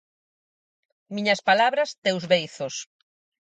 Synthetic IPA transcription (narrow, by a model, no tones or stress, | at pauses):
mĩɲɐspalaβɾɐst̪ewzβejθos